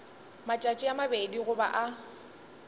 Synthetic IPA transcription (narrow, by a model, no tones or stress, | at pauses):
mat͡ʃʼat͡ʃʼɪamabediɣʊba̰ʔa